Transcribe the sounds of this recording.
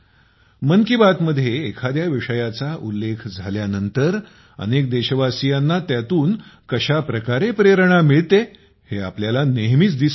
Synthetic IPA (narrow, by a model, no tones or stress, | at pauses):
məŋkibat̪məd̪ʱːjeːkʰad̪jaʋiʂəjat͡saʔulːekʰd͡zʱaljanənt̪əɾ | ə̰nek̚d̪eɕəʋasijanːat̪jat̪uːnkəɕapɾəkaɾepɾeɾəɳ̃amiɭt̪e | heapljalaneɦmiːt͡sd̪is